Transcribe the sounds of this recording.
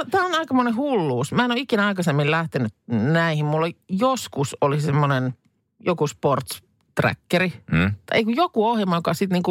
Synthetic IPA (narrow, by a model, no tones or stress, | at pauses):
ot̪æːonɑikɑmonehulːuːsmæːenoikinæɑikɑsemːillæht̪enyt̪næihimmulːɑjoskusolisemːonen | jokusport̪s | t̪ræ̰kːerit̪ːḛikujokuohjemːˑɑjokɑsit̪niːŋku